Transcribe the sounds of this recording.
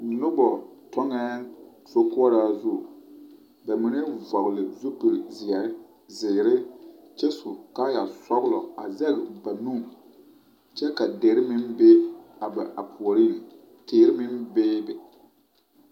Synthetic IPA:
nʊ˦bɔ˨tɔ˦ŋɛ˦ | so˦kʊ˦ɔ˦ɾaː˦zʊ˦˨ | ba˨mɪ˨˦nɪ˦vɔ˨ɣlɪ˨zu˦pi˨ɾzɪ˨ɛ˨ɾɪ˦ | zɪː˨ɾɪ˦ | t͡ʃɛ˦sʊ˨ka˦ja˨sɔ˦ɣlɔ̰˨a̰˨zɛ˦ɣɪ˨ba˨nu˦˨ | t͡ʃɛ˦ka˨deː˨˦ɾɪ˦mɪ˦mbe˦a˨ba˨ʔa˨pʰu˨ɔ˨ɾi˦˨n˨ | teː˨ɾɪ˦mɪ˦mbeː˦bɛ˨

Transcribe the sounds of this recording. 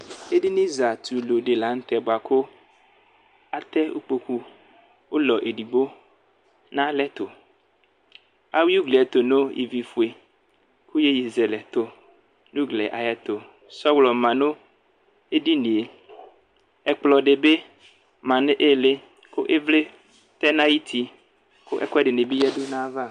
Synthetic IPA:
e˦di˦nĩ˦za˨t̪u˨lo˨ɖe˨la˨˦ŋ̩˦t̪ɛ˨bo˨a˨ko˦ | a˨t̪ɛ˦ṵ˦k͡po˨ku˦ | wo˦lɔ˨ʔe˨di˨ɡ͡bo˦ | nã˦lɛ˦t̪o˨ | a˦wi˦u˦ɡlɛ˨t̪o˨no˦jʔḭ˨vi˨fu˨e˨ | ku˦je˦ji˨ze˨lɛ˨t̪o˨ | nũ˦ɡlɛ˨ʔa˨ja˨t̪o˨ | sɔ˦wlɔ˨mã˨no˦ | e˦di˦nĩ˨e˨ | ɛ˨k͡plɔ˨ɖe˨be˦ | mã˨nẽ˦ʔe˦˨le˦ | ko˦ʔe˦vle˦ | t̪ɛ˦nã˦ji˦t̪ʰi˨ | ko˦ʔɛ̰˦kɛ˦ɖɪ˨ne˨bi˦jɛ˦do˦nã˦va˦˨

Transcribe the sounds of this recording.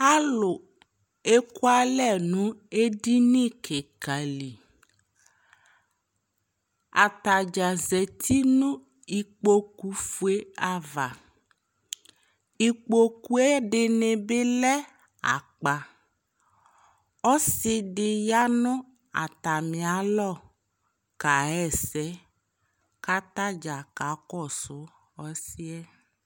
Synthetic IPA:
a˦lʊ˨ | e˦ku˦a˨lɛ˦˨nʊ̃˦e˦di˦nĩ˦kʰe˨ka˨li˨ | a̰˨t̪a˨d͡ʒa˨ze˨t̪ʰi˦nʊ̃˦ | i˨k͡po˦ku˨fu˨e˦a˨va˨ | i˨k͡po˦ku˦ɛ˦ɖɪ˨nɪ˨bɪ˦lɛ˦ | a̰˨k͡pa˨ | ɔ˦sɪ˦ɖɪ˨ja˦nʊ̃˦ | a̰˨t̪a˨mɪ̃˨a˨˦lɔ˦˨ | ka˨ɛ˦˨sɛ˨˦ | ka˦t̪a˦d͡ʒa˨ka˨˦kɔ˦˨sʊ˦ | ɔ˦sɪ˦ɛ˦

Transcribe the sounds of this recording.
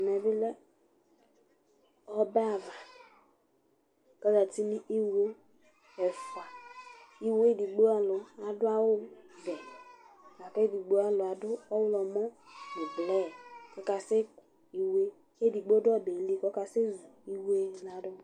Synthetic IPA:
me˨bɪ˦lɛ˦ | ɔ˦bɛ˦a˨va˨ | ka˦ɡa˨ti˦ni˦ʔi˦wɾo˦ | ɛ˨fa˨ | i˦we˦di˨ɡ͡bo˦a˨lʊ˨a˨dʊ˦a˦wʊ˦vɛ˨ | a˨ke˦di˨ɡ͡bo˦a˦lʊ˨a˨dʊ˦ɔ˦wʊ˦lɔ˨mɔ˦ni˨blɛ˦˨kɔ˦ka˨se˦ku̥˨ | i˦we˦ | e˦di˨ɡ͡bo˦dʊ˦ɔ˦˨be˨˦li˦kɔ˦ka˨se˦zu˨i˦we˦˨˦na˨dɔ˦

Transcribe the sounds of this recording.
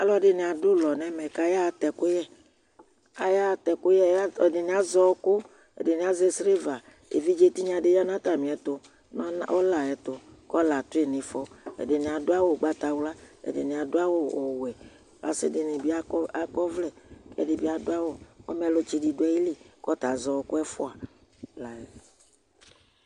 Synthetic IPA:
a˨lɔ˦ɖɪ˨nĩ˨a˨dʊ˦lɔ˨nɛ̃˦mɛ̃˨ka˦ja˦˨t̪ɛ˨kʊ˦jɛ˦ | a˨ja˦˨t̪ɛ˨kʊ˦jɛ˦˨dɪ˨nĩ˨˦a˦zɔ˦kʊ˦ | ḛ˨de˨nĩ˨a˦ze˦sɾe˦va˨ | ḛ˨vi˦d͡ʒe˦t̪i˦ɲã˨ɖe˨˦jɔ˦nã˦t̪a˨mĩ˨ɛ˨t̪o˦ | nɔ˦o˦la˨ɛ˨t̪o˨kɔ˦la˨t̪ʊ˦e˨nɪ̃˨fɔ˦ḛ˨dɪ˨nĩ˨a˨dʊ˦a˦wo˦˨ɡ͡ba˦t̪a˨wla˦ḛ˨dɪ̰˨nĩ˨a˨dʊ˦a˦wo˦o˨wɛ˨ | a̰˨sɪ˦dɪ˨nɪ˨bi˦a˦a˨kɔ˦vlɛ˨kɛ̰˦dɪ˨bi˦a˨dʊ˦a˦wo˦ɔ̰˦mɛ˦lo˨˦t͡ʃi˨di˨dʊ˦ɛ˦ji˦li˨kɔ˦t̪a˨zɔ˨wkʊ˦ɛ˦fʊ˦a˨ | la˨ɛ˨

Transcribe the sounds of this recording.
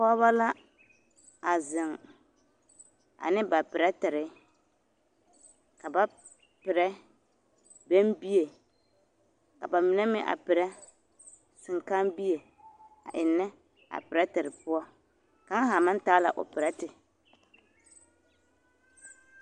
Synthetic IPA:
pɔ˦βa˦la˦ | a˨zɪ˨ŋ | a̰˨nɪ˦ba˨pɪ˨ɾa˦tɪ˨ɾɪ˦ | ka˨ba˦ | pɪ˨ɾɛ˦ | bɛ˦nbi˦e˨ | ka̰˨ba˨mɪ˨nɛ˦mɪ˦ʔa̰˨pɪ˨ɾɛ˦ | sɪ˨ŋka˦mbi˦e˨ | a̰˨ʔɪ˨nːɛ˦ | a̰˨pɪ˨ɾa˦tɪ˨ɾɪ˨pʊ˦ɔ˦ | ka˨˦ŋ˦ɦa˨ma˦n˦taː˦la̰˨ʔʊ̰˨pɪ˨ɾa˦tɪ˨

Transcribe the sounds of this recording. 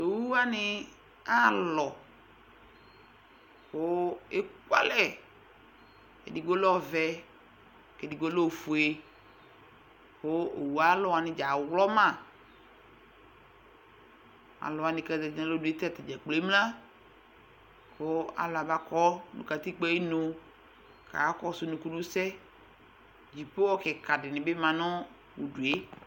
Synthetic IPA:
to˨wu˦a˦nɪ˦ | a˦lɔ˨ | xo˦e˦kwa̰˦lɛ˦ | kḛ˨di˨ɡo˦lɔ˦vɛ˦ | ke˨di˨ɡo˦lo˦˨fu˨e˦ | xo˦o̰˨wu˨a˨˦lɔ˨a˨nɪ̃˨d͡ʒa˨wlɔ˦mã˦˨ | a̰˨lɔ˨a˨nɪ̃˨kɛ˨dɛ˨d͡ʒi˦nã˨lo˦du˨e˦t̪ɛ˦˨t̪ɛ˨d͡ʒɛ˨k͡ple˨˦mlã˦ | ko˦a̰˨la˨ba˦kɔ˦nṵ̃˨ka˨t̪i˦k͡pɛ˦i˦no˨ | ka̰˨a˦kɔ˦sʊ˦nũ˨ku˦nũ˦sɛ˦ | d͡ʒi˨pe˦ɔ˦kɛ˨ka˨dɪ˨nɪ̃˨bɪ˦mã˨nɔ̃˦ | wu˨du˨e˦

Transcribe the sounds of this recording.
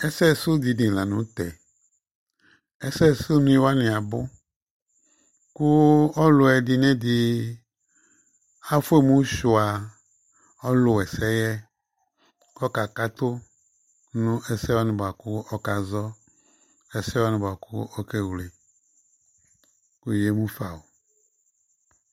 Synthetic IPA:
ɛ˦sɛ˦˨sʊ˦d̪i˨nĩ˨la˨nũ˦t̪ɛ˨ | ɛ˦sɛ˦˨sʊ˦nũ˦i˦wa˦nɪ̃˨a˨bʊ˦ | kʊ˦ɔ˦lʊ˨ɛ˨dɪ˨nɛ̃˦d̪ɪ˨ | a˦fʊ˦e˦mũ˦ʃu˨a˨ | ɔ˦lʊ˨wɛ˨sɛ˦jɛ˦ | kɔ˦ka˨ka˦t̪ʊ˦ | nʊ̃˦ʔɛ˨sɛ˦wɔ˦nɪ̃˨ba˨kʊ˦ɔ˦ka˨zɔ˦ | ɛ˨sɛ˦wa˦nɪ̃˨ba˨kʊ˦ɔ˦ke˦wle˨ | ku˦˨je˦mũ˦fa˨wo˨

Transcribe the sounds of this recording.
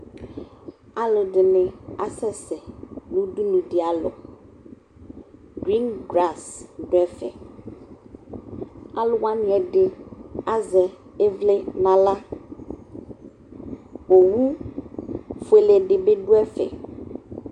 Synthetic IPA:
a˦lo˨ɖe˨nẽ˨a˨sɛ˦sɛ˨nũ˦du˦nũ˨ɖi˨a˨lɔ̰˨ | ɡɾi˦nɡɾa˦˨sɖɛ˦fɛ̰˨ | a˦lo˨wa˦nĩ˨˦ɛ˨ɖe˨a˦zɛ˨e˦vle˦nã˨la˦ | wo˨wu˦ | fo˨˦e˨le˨ɖe˨be˦ɖu˦ɛ˦fɛ̰˨

